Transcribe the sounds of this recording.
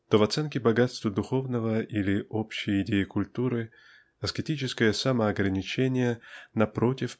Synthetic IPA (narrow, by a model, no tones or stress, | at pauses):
t̪ovɐt̪sɛnkʲɪbɐɡat̪st̪vəd̪ʊxo̞vnəvəilʲɪʔopɕːɪjɪdʲejɪkʊlʲt̪uɾɨ | ɐskʲɪtʲit͡ɕɪskəjəsaməɐɡɾənʲɪt͡ɕenʲɪjənɐpɾo̞tʲɪf